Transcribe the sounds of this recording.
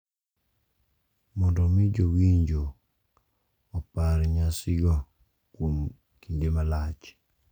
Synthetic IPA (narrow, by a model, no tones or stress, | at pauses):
mɔndɔmɪd͡ʒowiɲd͡ʒo | paɾɲasɪɡɔ | kwom | kindemalat͡ʃ